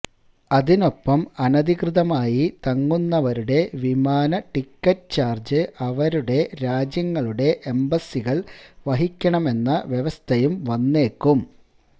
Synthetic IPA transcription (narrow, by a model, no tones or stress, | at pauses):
ɐðino̞pːɐmɐnɐd̪ʱikrɨðɐmaːjit̪ɐŋːunːɐʋɐɾuɽe̞ʋimaːnɐʈikːɐʈːt͡ɕaːrd͡ʑɨʔɐʋɐɾuɽe̞ɾaːd͡ʑjɐŋːɐɭuɽe̞ʔembɐsːiɣɐɭʋɐɦikʲːɐɳɐme̞nːɐʋjeʋɐst̪ʰɐjumʋɐnːe̞ːkːum